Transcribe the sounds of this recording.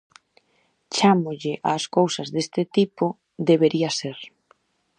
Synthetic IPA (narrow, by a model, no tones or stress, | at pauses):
t͡ʃamʊʎɪʔa̰ːskowsɐzðest̪ɪt̪ipʊ | ðeβeɾiaseɾ